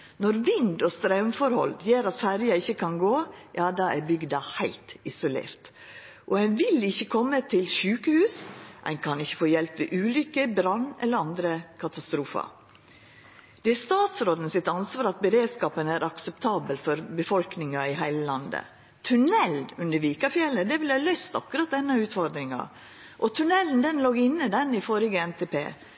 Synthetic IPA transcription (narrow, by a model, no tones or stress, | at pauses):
nɔɾʋɪnd̪ɔst̪ɾɑʉmfɔɾhɔ̰ljeːɾɑt̪fæɾjɑɪçəkʰɑnɡoːjɑːd̪ɑːæɾbʏɡd̪ɑhæɪlt̪ɪsʊlḛːɾt̪ | ʔɔæɪnʋɪlɪçːəkʰɔmːət̪ʰɪlʃʉːkəhʉːsʔæ̰ɪnkʰɑnɪçːəfoːjɛlpʋḛːʔʉːlʏkːəbɾɑnːɛ̰ləɾɑnd̪ɾəkʰɑt̪ɑst̪ɾuːfɑ̰ | d̪̥ɛæst̪ɑːt̪sɾoːd̪ənəsɪt̪ɑnsʋɑːɾɑt̪̚bəɾeːd̪skɑːpənæɾʔɑksɛpt̪ʰɑːbəlfɔɾbəfɔlknɪŋɑɪɦæɪləlɑnd̪ə̰ | t̪ʰʉnɛlʉnd̪əɾʋiːkɑfjɛlːəd̪ɛʋɪlhæːlœʏst̪ɑ̰kʉɾɑt̪̚d̪ɛnːɑʉːt̪fɔɾd̪ɾɪŋɑ̰ | ʔɔt̪ʰʉnɛlən̩d̪ɛnloːɡɪnːəd̪ɛnɪfɔɾɪɡəɛnt̪ʰeːpʰḛː